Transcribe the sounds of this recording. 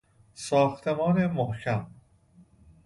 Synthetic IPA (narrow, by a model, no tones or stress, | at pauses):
sɒːxt̪ʰemɒːnemohcʰæm